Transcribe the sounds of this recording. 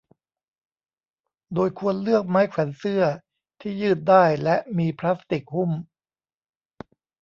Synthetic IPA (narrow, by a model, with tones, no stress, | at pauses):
doː˧jkʰu˧ənlɯ˥˩ək̚maː˦˥jkʰwɛ˩˦nsɯ˥˩ɐ | t̪ʰiː˥˩jɯː˥˩t̪̚daː˥˩jlɛ˦˥ʔmiː˧pʰlaː˦˥st̪i˨˩k̚hu˥˩m